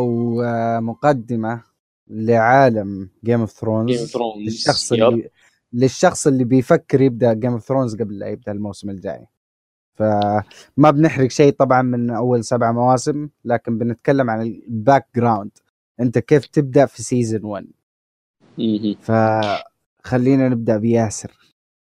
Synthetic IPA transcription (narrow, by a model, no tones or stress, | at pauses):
ʔawmʊqɑd̪ːɪma | lɪʕaːlamɡeːmʊfθɾoːnːɪʃːɑxsˤɪi | lɪʃːɑxsˤɪlːibɪjfakːɪɾjɪb̚d̪aʔɡeːmʊfθɾoːnzɡablːa̰jɪb̚d̪aʔɪlmawsɪmɪld͡ʒa̰ːjḭ | fa | mabnɪħɾɪɡʃeːt̪ˤɑbʕɑnmɪnʔawːalsabʕamawaːsɪmlaːkɪmbɪnɪt̪kalːamʕanɪbaːk̚ɡɾawnd̪̥ | ʔɪnt̪akeːft̪ɪb̚d̪aʔfisiːzɪnwan | fa | xalːiːnanɪb̚d̪aʔbɪjaːsɪɾ